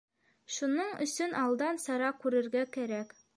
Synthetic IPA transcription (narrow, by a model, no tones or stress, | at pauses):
ʃunɤɴɵ̰̆sɵnʔɑlˠd̪ɑnsɑɾɑkʉɾɘ̆ɾɡækæɾæk